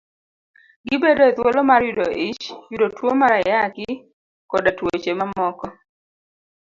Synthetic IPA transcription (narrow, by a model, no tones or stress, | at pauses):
ɡɪbedot̪wolɔmarjʊdoʔɪt͡ʃjudotwomaɾajakɪ | kɔdatwot͡ʃemamɔkɔ